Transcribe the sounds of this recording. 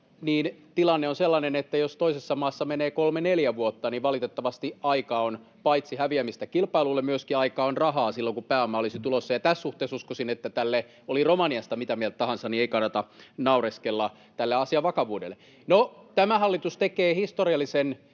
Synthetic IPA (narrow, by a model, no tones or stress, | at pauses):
niːnt̪ilɑnːeonselːɑnenet̪ːæjost̪oisesːɑmɑːsːɑmeneːkolmeneljæʋuot̪ːɑniːʋʋɑlit̪et̪ːɑʋɑst̪iʔɑikɑon | pɑit̪sihæʋiæmist̪ækilpɑilulːemmyøskiɑikɑːonrɑhɑːsilːoŋkupæːomːɑolisit̪ulosːɑjɑt̪æsːuht̪eːsuskosinet̪ːæt̪ælːe | oliromɑniɑst̪ɑmit̪æmiælt̪t̪ɑhɑnsɑnieikɑnːɑt̪ɑnɑureskelːɑ | t̪ælːeɑsiɑʋɑkɑʋuːdḛlːˑe | not̪æmæhɑlːit̪ust̪ekeːhist̪oriɑlːisen